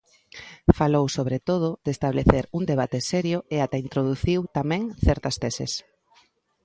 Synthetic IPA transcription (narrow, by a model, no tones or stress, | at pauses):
falowsoβ̞ɾet̪oð̞ʊd̪est̪aβleθeɾuŋd̪eβ̞at̪esɛɾjʊeat̪aint̪ɾoð̞uθiwt̪amɛ̃ŋθɛɾt̪ɐst̪esḛs